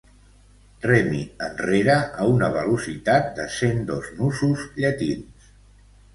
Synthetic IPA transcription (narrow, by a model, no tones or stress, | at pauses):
rɛmiənreɾəːunəβ̞əlusit̪at̪̚d̪əsend̪oznusuzʎət̪ins